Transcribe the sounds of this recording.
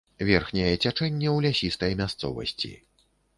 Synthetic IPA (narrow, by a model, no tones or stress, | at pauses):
vʲɛrxnʲɛjɛt͡sʲat͡ʂɛnʲːɛwlʲasʲist̪ɐjmʲast̪sɔ̰vɐ̰sʲt͡sʲḭ